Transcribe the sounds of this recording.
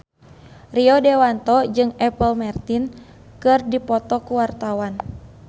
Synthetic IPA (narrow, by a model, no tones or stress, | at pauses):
riɔdɛwant̪ɔd͡ʒɨŋɛpəlmart̪in | kɨrdipɔt̪ɔkuwart̪awan